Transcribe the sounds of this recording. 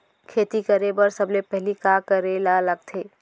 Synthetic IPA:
kʰeːt̪ikəɾebəɾsɐblepɛɦlikaːkəɾelalɐɡ̚t̪ʰeː

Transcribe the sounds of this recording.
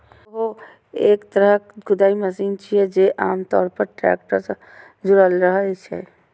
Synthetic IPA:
ɦo | eːkt̪əɾəɡʊd̪aːiməsiːnt͡ʃiɛd͡ʒeʔaːmt̪ɔːɾpəɾʈɾɛ̰ːk̚ʈəɾs | d͡ʒʊɾəlɾəɦat͡ʃʰɛ̰

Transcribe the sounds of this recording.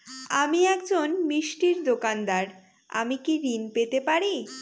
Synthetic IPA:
amiɛkd͡ʑonmiʃʈiɾd̪okand̪aɾ | a̰mikiɾinpet̪epaɾi

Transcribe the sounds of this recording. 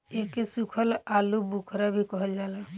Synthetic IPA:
ekesukʰəlalubukʰɾabʱikɔɦəld͡ʒala

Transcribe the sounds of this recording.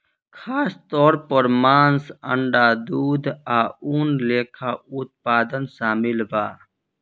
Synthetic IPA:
kʰaːst̪ɔːɾpəɾmaːnsə̰ɳɖaːd̪uːd̪aːuːnleːkʰaːut̪̚paːd̪ənsaːmilbaː

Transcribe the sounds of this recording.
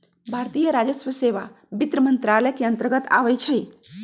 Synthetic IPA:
bʱaɾt̪ijəɾad͡ʒəsʋəseʋa | bit̪ɾəmənt̪ɾaləkeənt̪əɾɡət̪a̰bɛt͡ʃʰəj

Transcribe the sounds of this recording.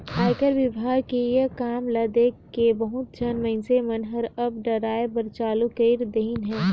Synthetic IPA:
aːɪkəɾʋɪbʱaːɡkejekaːmlɐd̪ekebəɦʊt̪̚d͡ʒɐnməɪnsemɐnɦəɾɐbɖəɾaːebəɾt͡ʃaːlukeɪɾd̪eɪnɦɛ̃ː

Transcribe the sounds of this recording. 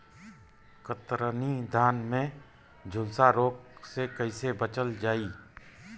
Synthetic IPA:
kət̪ɾənid̪ʱaːnmẽ | d͡ʒʱʊlsaɾoːksekəisebət͡ʃəld͡ʒaːiː

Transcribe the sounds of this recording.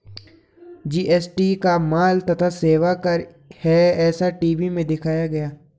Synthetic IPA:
d͡ʒiːʔɛːsʈikamaːlt̪ɐt̪ʰaseːʋakɐɾ | hɛɛːsaʈiːʋimẽd̪ɪkʰaːjaɡɐjaː

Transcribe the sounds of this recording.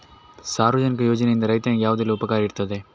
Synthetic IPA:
saːɾɐd͡ʒɐnɪk̬ːɯjoːd͡ʒɐneɪnd̪ɐɾɐɪt̪ːɐjɐ̃jaːʋɐðɯlʊpɐkaːɾɪɽɯt̪ːɐðeː

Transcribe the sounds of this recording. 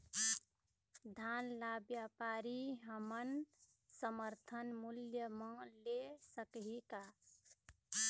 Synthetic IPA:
d̪ʱanlabjapaɾiɦəmən | səməɾt̪ʰənmuljəmə̃lesəkɦika

